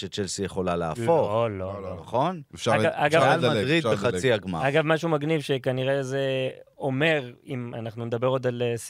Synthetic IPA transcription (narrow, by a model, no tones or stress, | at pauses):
ʃet͡ʃelsijeχo̞laleaːflololonaχo̞naaɡavalmad̪ʁidbeχat͡siaɡmaaɡavmaʃumaɡnivʃekaniʁeze | o̞me̞ʁima̰naχnuned̪abe̞ʁo̞d̪als